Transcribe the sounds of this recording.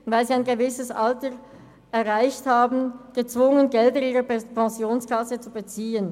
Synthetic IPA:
vaɪlziːaɪnɡəvɪsəsʔaltə | ɛɐʁaɪçthaːbn̩ɡ̥ət͡sv̥ʊŋənɡɛldəiːʁəpʰɑ̃zjoːnskʰasət͡subət͡siːən

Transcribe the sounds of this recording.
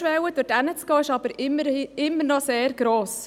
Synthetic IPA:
ʋɛwəd̥ʊdænət͡sɡ̥oːɪʃɑb̥əɾɪmɪmːəɾnɔseːɾɡ̥ɾoːs

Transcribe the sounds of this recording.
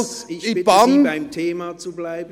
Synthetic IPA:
sɪi̥ɪb̥amaɪmtʰeːmat͡sublaɪb

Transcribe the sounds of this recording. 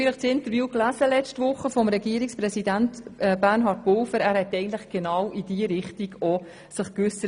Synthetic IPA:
iləχt͡sɪnt̪əɾvjuːklæsəlɛt͡stʋʊχəfɔmɾɛɡiəɾiksprɛsidæntːbærnɦɑːt̚pʊlfəɾæːɾhɛt̪ːɛɪɡənt̪lɪχɡ̥enɑwidiəɾɪχtiɡɔ | sɪχkʋʉsə

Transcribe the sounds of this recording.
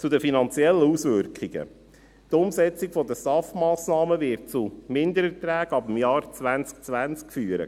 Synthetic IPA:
t͡sudəfinɑnt͡sjɛlːəusʋʏɾkχɪɡə̰ | tʊmsɛt͡siɡfɔd̪əsɑftmɑːsnɑːməvɪɾt̚t͡sumɪnd̪əɾət̪ɾæːɡɑbəm̩jɑːɾt͡sʋænt͡sk̚t͡sʋænt͡skfyːəɾə̰

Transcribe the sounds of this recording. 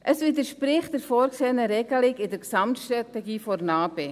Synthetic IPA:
ʔəsʋid̪əʃpɾɪχtəɾfoːɾkseːnəɾɛɡ̥əlɪɡɪdəɾksɑmtʃtɾɑtɛɡiːfɔɾnɑːbe

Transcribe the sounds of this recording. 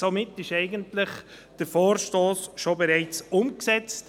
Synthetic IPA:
somɪtːɪʃɛɪɡəntlɪχ | d̥əɾfoːɾʃtoːsʃobɛɾɛɪt͡sʊmksɛt͡st

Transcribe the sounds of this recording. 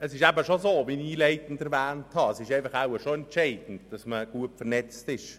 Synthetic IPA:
əsɪʃæbəʃozoːbiniːleɪtn̩dɛɾvæːnthɑəsɪʃɛɪfɑχawəʃoɛnt͡ʃeɪdn̩td̥ɑsməɡ̥uətfəɾnɛt͡stɪʃ

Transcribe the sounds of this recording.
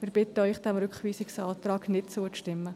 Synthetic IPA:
mɪɾb̥ɪt̪əœʏχd̥ɛmɾʏkχʋiːsɪksɑːt̪rɑːɡnɪtt͡suəʃtɪmːə

